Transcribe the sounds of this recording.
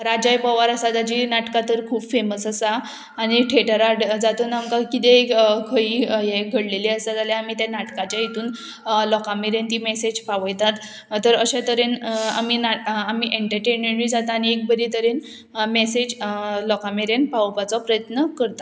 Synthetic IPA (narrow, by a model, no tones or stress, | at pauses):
ɾad͡ʑajpəʋaɾasad̪at͡ɕiːnaʈkat̪əɾkʰuːbfeməsəsaː | ñiʈʰeʈəɾaɽd͡zat̪uːnamkakit̪ekʰəiːjeɡʱəɽleliəsad͡zaljaamit̪janaʈkat͡ɕjait̪uːn | lɔkameɾent̪imesed͡ʑpaʋəjt̪at̪ | tːəɾəɕẽt̪əɾena̰minaamiʔeɳʈəɾʈenmeɳɾid͡zat̪aːñiek̚bəɾit̪əɾen | mesed͡ʑlɔkameɾenpaʋpat͡sɔpɾəjət̪nəkəɾt̪a